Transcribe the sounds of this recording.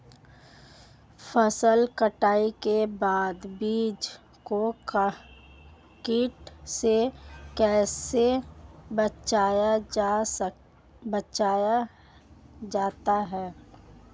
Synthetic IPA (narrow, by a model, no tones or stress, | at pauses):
fəsəlkəʈaːikebaːd̪biːd͡ʒ | ko | kiːʈsekɛːsebət͡ʃaːjaa | bət͡ʃaːja | d͡ʒaːt̪aɦɛː